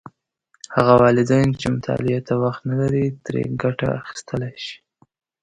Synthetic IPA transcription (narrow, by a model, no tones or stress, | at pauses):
haɣawɑlɪd̪ajnt͡ʃemʊt̪ʰɑ̰lɪat̪awaxt̪nalaɾit̪ɾḛɡaʈa̰axi̥st̪əlajʃi̥